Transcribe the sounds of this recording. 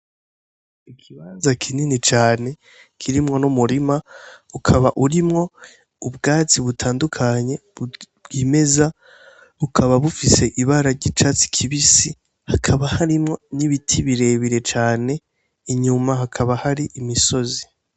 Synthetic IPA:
ikʰiβanzakʰininit͡ʃaːne̞ | kʰiɾimŋo̞numuɾimaukʰaβaʔuɾimŋo̞ | ubɡaːt͡siβutʰaːndukʰaɲe̞ | ɡime̞za | ukʰaβaβufise̞ʔiβaɾaɾɟit͡ʃat͡si̥kʰiβisi | hakʰaβahaɾimŋo̞niβitʰiβiɾe̞βiɾe̞t͡ʃaːne̞ | iɲumaɦakʰaβahaɾiʔimiso̞zi

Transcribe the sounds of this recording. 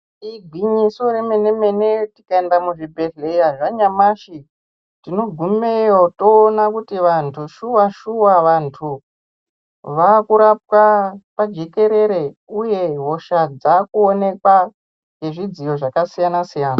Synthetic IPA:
iɡʱwiɲiso̞ɾeme̞neme̞ne̞tikaendamuʐibʱe̞ɮejaʐaɲamaʃi | tino̞ɡʱumejoto̞ːnakutiʋantʰuʃuwaʃuwaʋantʰu | ʋakuɾap̚wapad͡ʒe̞ke̞ɾe̞ɾe̞uje̞ɦo̞ʃad͡zakuone̞kwa | ŋɡe̞ʐid͡zijo̞ʐakasijanasijaːna

